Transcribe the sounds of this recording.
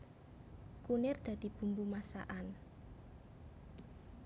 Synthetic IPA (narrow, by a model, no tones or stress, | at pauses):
kunɪrd̪̥ä̤d̪̥i̤b̥ṳmbumasa̰ʔan